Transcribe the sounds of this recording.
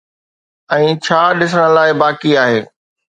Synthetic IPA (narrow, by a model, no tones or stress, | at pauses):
ɛ̃ːt͡ɕʰaːɗɪs̬əɽ̃ə̆laːɪbaːkiaːɦeː